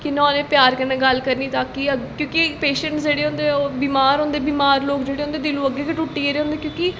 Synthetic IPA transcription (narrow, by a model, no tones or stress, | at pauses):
kɪnɔ̃ːnẽːpjaːɾkənãːɡəlkəɾniːt̪aːkiəkjõːkipeːʃəɳʈsd͡ʒeːɽeːɦʊ̃nd̪ebiːmaːɾɦõnd̪eːbiːmaːɾloːkd͡ʒeːɽeːɦʊnd̪eːd̪ɪlũːəɡːeːkəʈʊʈːiːeːɾeːɦʊ̃ːnd̪eːkjõːkɪ